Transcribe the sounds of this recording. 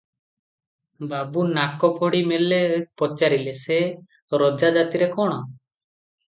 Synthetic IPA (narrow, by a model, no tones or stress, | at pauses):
babunakɔpʰɔɽimɛlɛpɔt͡ʃaɾilɛsɛ | ɾɔd͡ʒad͡ʒat̪iɾɛkɔɽ̃ɔ